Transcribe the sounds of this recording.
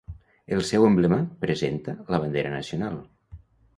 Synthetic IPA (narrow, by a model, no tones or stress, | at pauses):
elˠsɛwemblemapɾezent̪ələβ̞ənd̪eɾənəsiunalˠ